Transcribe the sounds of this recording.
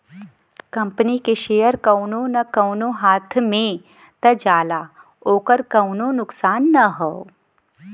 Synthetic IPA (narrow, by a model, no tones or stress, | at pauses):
kɐ̃mpənikeʃejəɾkɐwnonɐkɐwnoɦaːt̪ʰmẽ | t̪ɐd͡ʒaːlaː | oːkəɾkɐwnonʊksaːnːɐɦoo